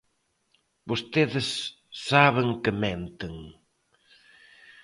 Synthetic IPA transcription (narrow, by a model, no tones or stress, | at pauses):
bost̪eðɪsː | aβɪŋkɪmɛnt̪ɪŋ